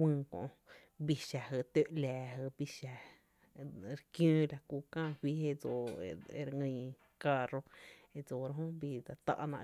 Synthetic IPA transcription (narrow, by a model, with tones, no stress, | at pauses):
wɨ̃ː˧kõ̰˨ʔ | bi˧ʃa˨ɦə˧˨t̪e˦˧ʔlæː˨ɦə˧bi˧ʃa˧ | ɾkjũː˦la˧kuː˧kãː˦˨hʷwi˦ɦe˧d͡zo˨ḛ˧ɾŋə̃˧ | ka˧ro˧e˧d͡zo˨ɾɦõ˦bi˧d̪a˧t̪a̰˧ʔnã̰˧